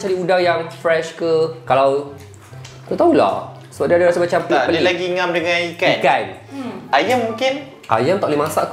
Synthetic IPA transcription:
t͡ʃadiudaŋjaŋfɾɛʃkəkalaw | k̪ot̪aula̰ | səbap̚diadaɾasəmat͡ʃampəpəlilaɡiŋãmdəŋãnikankan | ajamũŋkɪn | a̰jamt̪aʔlimãsaʔk

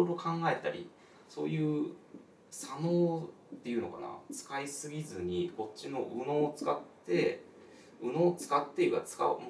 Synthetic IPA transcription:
ɾoɾot̪o̞kʰãŋɡae̞t̪aɾʲḭ | so̞̰ːjɯ̟ː | sano̞ː | t̪ːe̞jɯ̟ːno̞kana̰t͡sɨ̥kaisɨɡʲizɨɲ̟iko̞t͡ɕino̞ʔɯ̟no̞ːt͡sɨ̥ka̰t̪ːe̞ | ɯ̟no̞ːt͡sɨ̥kat̪ːe̞iɯat͡sɨ̥ka̰m

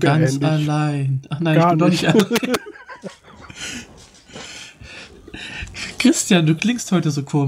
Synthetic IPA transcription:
ɡ̥ansalaɪnʔaχnaɪnnçbɪndɔnɪçtalaɪ | kʁ̥ɪstjaːnduːklɪŋsthɔʏtəzoːkʰoːm

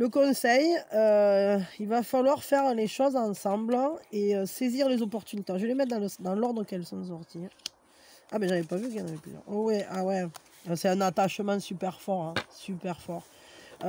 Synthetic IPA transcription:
ləkɔ̃sɛjø | ilvafalwaʁfɛʁleʃɔzɑ̃sɑ̃bləeøseziʁlezɔpɔʁt̪ynit̪eãʒəlemɛt̪̚d̪ɑ̃ləsd̪ɑ̃lɔʁd̪ʁəkɛlsɔ̃s̬ɔʁt̪i | amɛʒavɛpavykəjɑ̃navɛply̰d̪ɛ̰owɛʔawɛ | øsɛt̪ɛ̃nat̪aʃmɑ̃sypɛʁfɔʁɛ̃sypɛʁfɔʁ

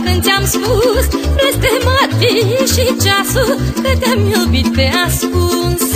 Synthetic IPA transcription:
k̪ənt̪amspuspɾəst̪emat̪iʃit͡ʃasut̪ət̪ʲamilbit̪ːeaskuŋs

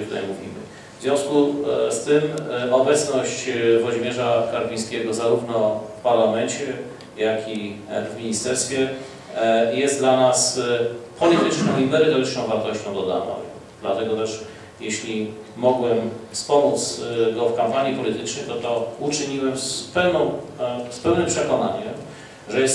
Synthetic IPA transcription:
kt̪ut̪a̰jmuvʲḭmɘ̰ | vzʲjɔ̃w̃skust̪ɘmɔbɛt̪snɔɕt͡ɕvɔʑmʲjɛʐakaɾbʲij̃skʲɛɡɔzaɾuvnɔfpaɾlamɛɲt͡ɕɛ | jakʰʲivmʲiɲist̪ɛɾst̪fʲjɛ | jɛst̪̚d̪lanaspɔlʲit̪ɘt͡ʂnɔ̃w̃imɛɾɘt̪ɔɾɘt͡ʂnɔ̃w̃vaɾt̪ɔɕt͡ɕɔ̃w̃d̪ɔd̪a̰nɔ̰̃w̃ | d̪lat̪ɛɡɔt̪ɛʂ | jɛɕlʲi | mɔɡwɛmspɔmut̪sɡɔfkampaɲipɔlʲit̪ɘt͡ʂnɛjt̪ɔt̪ɔut͡ʂɘɲiwɛmspɛwnɔ̃w̃spɛwnɘmpʂɛkɔnaɲɛm | ʐɛjɛs

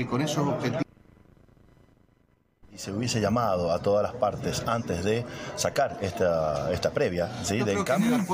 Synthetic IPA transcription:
ikonesosobxet̪ | ise̞uβje̞seʝamað̞o̞at̪o̞ðalaspaɾt̪e̞sant̪e̞zðe̞sakaɾest̪aest̪apɾeβjasiðekambjo

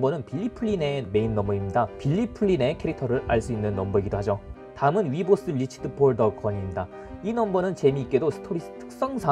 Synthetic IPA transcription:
bʌnɯnpʰiʎːipʰɯɭːine̞me̞inːʌmʌimɲidapiʎːipʰɯɭːine̞kʰe̞ɾik̚tʰʌɾɯɾaɭs͈uinːɯnːʌmbʌɡidohad͡ʑo | taɯmɯnɥibos͈ɯʎit͡ɕʰi̥dʰɯpʰoɭdʌkwʌɲimɲida | inʌmbʌnɯnt͡ɕe̞miːk͈e̞dosʰɯ̥tʰoɾis͈ɯ̥tʰɯ̥k̚s͈ʌŋsʰa

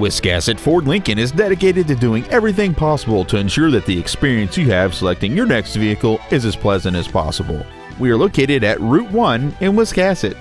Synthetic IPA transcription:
wɪskæsɨtfɔɹdˡlɪ̃ŋkɨ̃nɨzdɛɾɨkeɪɾɨd̚tɨdʉɪ̃ŋɛvɹiθɪ̃ŋpʰɑsəbl̩ˠtʰɨɨ̃nʃʊɹðɨt̪̚ðiɨkspɪɹiɨ̃nsjɨɨv̥səlɛk̚tɪ̃ŋjə˞nɛkstviɨkl̩ˠɨzɨz̥pʰl̥ɛzɨ̃ntɨz̥pʰɑ̰səbl̩ˠ | wiə˞loʊkʰeɪɾɨɾɨt̚ɹʉt̚wʌ̃nɪ̃nwɪskæsɨt̚

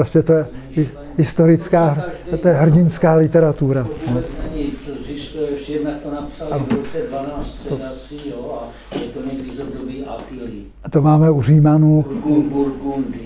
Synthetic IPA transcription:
ɾoscɛt̪ojɛ | ɦɪst̪oɾɪt͡skaːt̪ojɛɦr̩ɟɪnskaːlɪt̪ɛɾat̪uɾanonɛɲit̪ozɪst̪ujɛfʃɛdnak̚t̪onapsalaoot͡sɛdvanaːssɛd̪asijoa | ʒɛt̪onɛvizod̪obiːʔapili | t̪omaːmɛuriːmanuuɾɡund

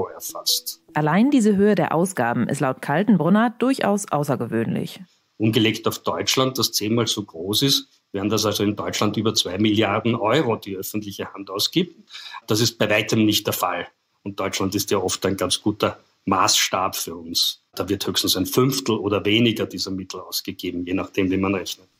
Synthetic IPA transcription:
oɛɐfa̰stʔalaɪndiːzəɦøːədeːɐʔa̰ʊsɡ̥aːbm̩ʔɪ̰stlaʊtkʰaltn̩bʁʊnad̥ʊɐçʔa̰ʊsʔa̰ʊsɐɡəvø̰ːnlɪ̰ç | ʔʊnɡəleːktaʊfd̥ɔʏt͡ʃlant̚d̥ast͡seːnmaːlzoːɡ̥ʁoːsɪst | v̥iːɐhamdas̬alzoɪndɔʏt͡ʃlantyːbɐt͡sv̥aɪmɪljaʁdn̩ʔɔʏʁod̥iːœfn̩tlɪçəhantaʊsɡ̥iːb̚td̥asɪst̚b̥aɪvaɪtʰəmnɪçtd̥ɛːɐfa̰l | ʊnt̚d̥ɔʏt͡ʃlantɪstjaʔɔftæɪnɡant͡sɡ̥uːtɐ | maːsʃtaːpfyːɐʊnsd̥aːvɪɐthøːçstn̩sæɪnfʏnftl̩oːdɐveːnɪɡɐdiːzɐmɪtʰl̩aʊsɡ̥əɡ̥eːbm̩jeːnaχd̥eːmviːmanʁɛçnət

